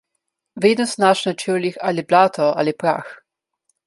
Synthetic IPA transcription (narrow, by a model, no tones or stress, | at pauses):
ʋeːd̪nɔsnaʃnat͡ʃəlixaːliblaːt̪ɔa̰ːlipɾa̰ːx